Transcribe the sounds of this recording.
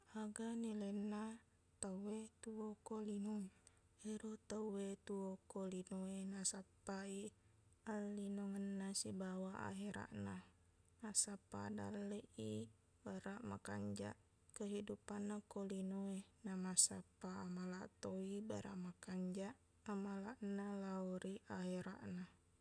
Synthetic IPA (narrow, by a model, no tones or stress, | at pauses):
aɡanilɛnːa | t̪awwet̪uokolinuŋ | eɾut̪awwet̪uokolinoenasapːaialːinoŋənːasibawaa̰ɦeɾa̰ʔna | asapa̰da̰lːeʔi | baɾaʔma̰kaɲd͡ʒa̰ʔ | kəɦidupanːakolinoenamasapaːmalaʔt̪oibaɾa̰ʔmakaɲd͡ʒaʔ | amalaʔnalaɔɾiaɦeɾa̰ʔna